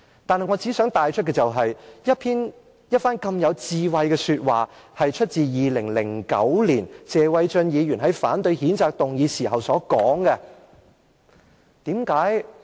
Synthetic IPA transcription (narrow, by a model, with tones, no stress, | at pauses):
t̪aː˨nhɐ˨jŋɔ˨˧t͡siː˨˥sœː˨˥ŋt̪aː˨jt͡ʃʰt̚kɛ˧t͡sɐ˨wɦɐ˨jjɐ˥t̚pʰiː˥n | jɐ˥t̚faː˥nkɐ˧mjɐ˨˧wt͡siː˧wɐ˧jkɛ˧syː˧t̚waː˨hɐ˨jt͡ʃʰɵ˥t̚t͡siː˨jiː˨lɪ˨˩ŋlɪ˨˩ŋkɐ̰˨˥wliː˨˩nt͡sɛː˨wɐ˨˧jt͡ʃɵ˧njiː˨˧jyː˨˩nɦɐ˨˥jfaː˨˥nt̪ɵ˧ɥhiː˨˥nt͡saː˧k̚t̪ʊ˨ŋjiː˨˧siː˨˩ɦɐ˨wsɔː˨˥kɔː˨˥ŋɡɛ˧ | t̪iː˨˥mkaː˨˥j